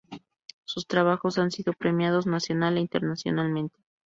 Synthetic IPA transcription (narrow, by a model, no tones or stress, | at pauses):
sust̪ɾaβ̞axo̞sansiðopɾe̞mjað̞o̞znasjo̞nale̞int̪eɾnasjo̞̰nalmẽnt̪e̥